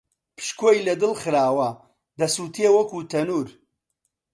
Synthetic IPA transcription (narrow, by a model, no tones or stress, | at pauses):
pʰɨ̥ʃkʰojlɐd̪ɨlχɨɾaːwɐ | d̪ɐsuːt̪ʰiewɐkut̪ʰɐnuːɾ